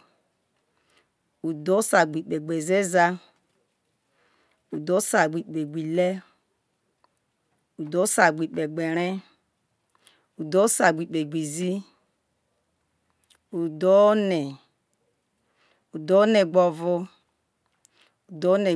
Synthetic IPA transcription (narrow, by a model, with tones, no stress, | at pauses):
u˨do˦sa˨ɡ͡bi˨k͡pe˨ɡ͡be˨ze˦za˦ | u˨do˦sa˨ɡ͡bi˨k͡pe˨ɡ͡bi˨le˦ | u˨do˦sa˨ɡ͡bi˨k͡pe˨ɡ͡be˨ɾe˦ | u˨do˦sa˨ɡ͡bi˨k͡pe˨ɡ͡bi˨zi˦ | u˨do˦ne˨ | u˨do˦ne˨ɡ͡bo˨vo˦ | u˨do˦ne˨